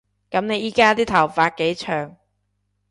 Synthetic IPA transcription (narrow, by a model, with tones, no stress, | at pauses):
kɐ˨˥mne˨˧jiː˨˥kaː˥t̪iː˥t̪ʰɐ˨˩wfaː˧t̚ke˨˥jt͡ʃʰœː˨˩ŋ